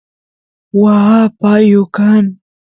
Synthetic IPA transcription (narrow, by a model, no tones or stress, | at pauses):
waapajʊkan